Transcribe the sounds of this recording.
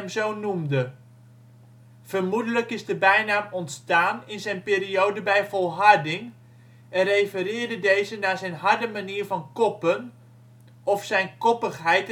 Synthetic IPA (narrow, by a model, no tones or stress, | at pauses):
mzownumdə | v̥ərmudələkɪzdəbɛjnaːmɔntstaːnɪnzɛjnpɪːɾiowdəbɛjvɔlˠɦɑɹdɪŋ | ɛnrejfərɪːɹdədejzənaːzɛjnɦɑɹdəmaniːɹvɑnkɔpən | ɔfsɛjnkɔpəχɦɛjt